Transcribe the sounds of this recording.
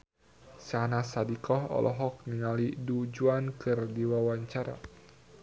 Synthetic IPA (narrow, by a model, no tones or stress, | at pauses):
sanasadikɔhɔ̰lʔɔ̰ɦɔk̚niŋalidud͡ʒuankɨrdiwawaɲt͡ʃaɾa̰